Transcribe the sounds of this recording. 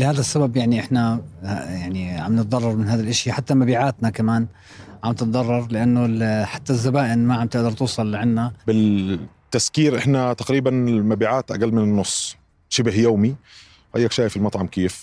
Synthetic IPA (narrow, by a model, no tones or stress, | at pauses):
lɪhaːd̪asːababjaʕniʔɪħnajaʕniʕa̰mnɪt̪̚ˤd̪ˤɑrˤːɑɾˤmɪnɦaːd̪alʔaʃjaħat̪ːamabiːʕaːt̪nakamaːn | ʕamnɪt̪̚ˤd̪ˤɑrˤːɑɾˤlɪʔanːʊħḁt̪ːazːabaːʔɪnmaʕamt̪ɪʔd̪ɑɾˤt̪uːsˤɑlːɪʕanːabɪt̪ːaskiːɾʔɪħnat̪aqɾiːbanɪmabiːʕaːt̪ʔaɡalːmɪnɪnːʊsˤː | ʃɪbhjoːmi | ʔajːakʃaːjfɪlmɑt̪ˤʕɑmkeːf